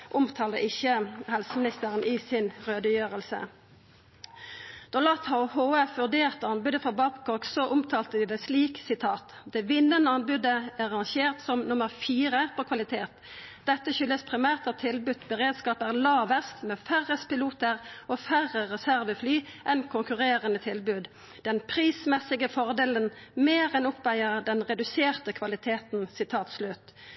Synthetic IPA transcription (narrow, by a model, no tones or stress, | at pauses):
ʔʊmt̪ʰɑːlə̰ʔɪçəhɛlsəmɪnɪst̪əʁənʔiːsɪnʁøːd̪əjøːʁəlsə̰ | d̪̥ɔlɑt̪ʰhɑʊhoːəfʋʉʁd̪eːʁt̪əɑnbʉd̪əfɔbɑbkʰɔksɔʔʊmt̪ʰɑːlt̪əd̪ɪːd̪ɛːsliːksɪt̪ʰɑːt̪ | d̪̥ɛːʋɪnːənəɑnbʉd̪əæʁɑnʃeːʁt̪sɔmnʊməʁfiːʁəpʰokʰʋɑlɪt̪ʰeːt̪ | d̪ɛt̪ːəçʏlːəspʰʁɪmæːʁt̪ɑt̪ʰɪlbʉt̪bəʁeːd̪skɑːpæʁlɑːʋəst̪mɛːfæʁəspɪluːt̪əʁɔfæʁəʁɛsæʁʋəflyːʔɛnkʰʊŋkʉʁeːʁənət̪ʰɪlbʉːd̪ | d̪̥ɛnpʰʁiːsmɛsːɪɡəfɔʁd̪eːlənmeːʁɛnʊpʋæɪəʁd̪ɛnʁɛd̪ʉseːʁt̪əkʰʋɑlɪt̪ʰeːt̪n̩sɪt̪ʰɑːt̪slʉt̪